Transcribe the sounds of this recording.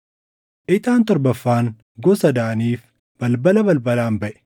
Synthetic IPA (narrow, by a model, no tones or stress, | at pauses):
ʔɪt̪ʼaːnt̪ɔɾbɐfːaːŋ | ɡɔsɐd̪aːniːf | b̥ɐlbɐlɐbɐlbɐlaːmbɐʔɛ̥